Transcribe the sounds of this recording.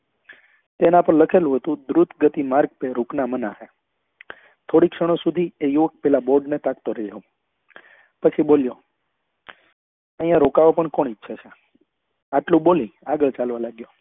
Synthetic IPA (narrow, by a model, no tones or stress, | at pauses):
t̪enapəɳləkʰelũɦət̪ũd̪ɾut̪ɡət̪imaɾɡ̚peɾuknamənaɦe | t̪ʰoɽikʃəɽ̃osud̪ʱiejuʋək̚pɛlaboɾɖnet̪akt̪oɾeaũ | pət͡ʃʰiɓoljo | əɦĩjãɾokaʋopəɳkoɳitːʃʰat͡ʃʰe | aʈlũɓolĩaɡəɭt͡ʃalʋalaɡjo